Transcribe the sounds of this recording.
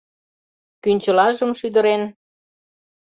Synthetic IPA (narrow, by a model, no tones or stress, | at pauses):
kynʲt͡ɕəlɑʒəmʃyd̪ə̆ɾen